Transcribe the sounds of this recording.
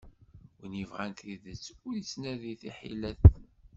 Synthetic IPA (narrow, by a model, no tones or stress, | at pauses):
wənivʁænt̪iðət͡sːʊɾjit͡sːnæðiθiħḭlæθ